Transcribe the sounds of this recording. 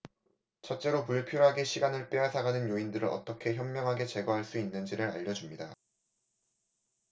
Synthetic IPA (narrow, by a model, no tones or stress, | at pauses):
t͡ɕʰʌt̚t͡ɕ͈e̞ɾopuɭpʰjoɾɦaɡe̞ɕʰiɡanɯɭp͈eɦasʰaɡanɯnjoindɯɾɯɾʌ̰t͈ʌkʰe̞çjʌmːjʌŋɦaɡe̞t͡ɕe̞ɡʌɦaɭs͈uinːɯnd͡ʑiɾɯɾa̰ʎːʌd͡ʑumɲida